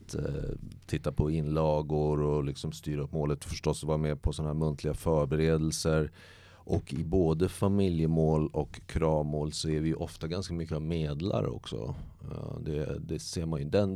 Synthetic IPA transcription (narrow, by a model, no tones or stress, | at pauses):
t̪t̪ʰɪt̪ːapʰɔɪnːlɑːɡʊɾɔlɪksɔmst̪yːɾaɵpːmoːlət̪fœʂʈɔsːvɑːɾameːɾpʰɔsɔnahæːɾmɵnt̪ʰlɪɡafœɾbɛɾeːd̪ɛlsəɾ | ʔɔkɪboːd̪əfamɪljəmoːlɔkʰːɾɑːvmoːlsɔæɾvɪjɵʔɔft̪aɡanskamʏkːəavmeːd̪la̰ɾɔ̰ksɔ̰ | d̪ɛd̪ɛseːɾmanj̪d̪ɛn